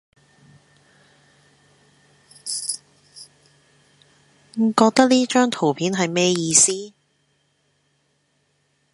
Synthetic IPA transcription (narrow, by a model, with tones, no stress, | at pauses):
ŋ̩˨˩kɔː˧k̚t̪ɐ˥k̚liː˥t͡ʃœː˥ŋt̪ʰo˨˩wpʰiː˨˥nɦɐ˨jmɛː˥jiː˧siː˥